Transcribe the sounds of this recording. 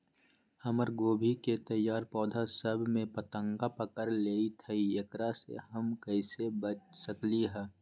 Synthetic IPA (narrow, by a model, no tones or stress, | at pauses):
həməɾɡoːbʱiket̪əjːaːɾpɔːd̪ʱasəbʱmẽpət̪ə̃ŋɡapəkəɾleːit̪ʰəiekɾasḛɦəmkəɪsebət͡ʃsəkliɦɛː